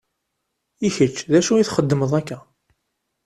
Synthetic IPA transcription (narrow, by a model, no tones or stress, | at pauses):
içət͡ʃːðæʃujiθχəd̪ːəməðˤækːæ